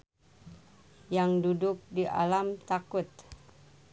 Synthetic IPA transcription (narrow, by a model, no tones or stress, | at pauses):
jaŋdudʊk̚diʔa̰lamt̪akʊt̪̚